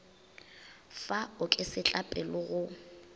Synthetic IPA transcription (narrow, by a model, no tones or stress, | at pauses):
faʊkʼɪsɪt͡ɬʼapʼɛlʊɣʊ